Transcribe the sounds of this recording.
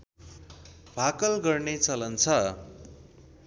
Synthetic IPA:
bʱakʌlɡʌrnet͡sʌlʌnt͡sʰʌ

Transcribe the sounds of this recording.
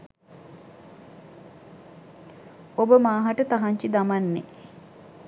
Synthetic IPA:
obəmaːɦaʈət̪aɦaɲt͡ʃid̪amanːe

